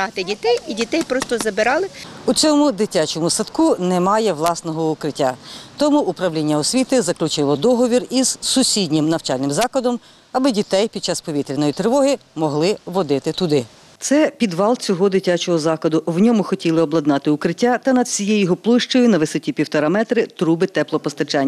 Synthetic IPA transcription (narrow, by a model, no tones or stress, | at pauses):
ɑt̪ɪdʲit̪ɛjidʲit̪ɛjpɾɔst̪ɔzɐbɪɾɑlˠɪut͡sʲɔmʊd̪ɪtʲat͡ʃɔmʊsɐt̪kunɛmɑjɛʋlˠɑsnɔɦɔʊkɾɪtʲːat̪ɔmuːpɾɐwlʲinʲːɐɔsʲʋʲit̪ɪzɐklʲʊt͡ʃɪlˠɔd̪ɔɦɔʋʲiriz̥sʊsʲidʲnʲɪmnɐwt͡ʃɑlʲnɪmzɑklˠɐd̪ɔm | ɐbɪdʲit̪ɛjpʲid̪̚t͡ʃɑspɔʋʲit̪ɾʲinɔjit̪ɾɪʋɔɦɪmɔɦlˠɪʋɔd̪ɪt̪ɪt̪ʊd̪ɪ | t̪sɛpʲid̪ʋɑlˠt͡sʲɔɦɔd̪ɪtʲat͡ʃɔɦɔzɑkˠɐd̪ʊwnʲɔmʊxɔtʲilˠɪɔblˠɐd̪nɑt̪ɪʊkɾɪtʲːat̪ɐnɐd̪sʲijɛjɔɦɔplˠɪʃt͡ʃɔjʊnɐʋɪsɔtʲipʲiwt̪ɔɾɑmɛt̪ɾɪt̪ɾubɪt̪ɛplˠɔpɔst̪ɐt͡ʃɑnʲː